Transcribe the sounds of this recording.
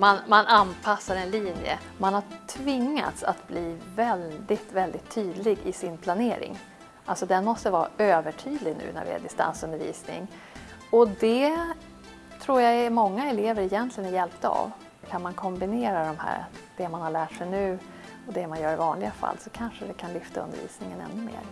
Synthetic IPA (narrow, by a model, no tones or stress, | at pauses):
manmanʔanpʰasːaɾɛnliːnjə̰ | manhaʈʰvɪŋːa̰t̪sa̰t̪bliːvɛld̪ɪt̪vɛld̪ɪt̪ʰːyːd̪lɪɡɪsɪnpʰlaneːɾɪ̰ŋ | ʔalsɔd̪ɛnmɔst̪əvɑːɾa̰øːvəʈʰyːd̪lɪɡnʉ̟̰ːnæ̰ɾvɪ̰æ̰ɖɪst̪a̰nsɵnd̪əɾvḭːsnɪ̰ŋ | ɔd̪ɛ | t̪ʰɾuːɾjamɔŋːaɛleːvəɾɛjɛnt̪ʰlɪɡənɪjɛlp̚t̪əa̰v | kʰanmankʰɔmbɪneːɾad̪ɔmhæ̰ːɾ̰d̪̥ɛmanhaɭæːʈʂɛjnʉ̟ː | ɔd̪ɛmanjœːɾɪvɑːnlɪɡafa̰lːsɔkʰanʂəvɛkʰanlʏft̪ʰaɵ̰nd̪ə̰ɾvḭːsnɪŋənɛ̰nːɵmḛːɾ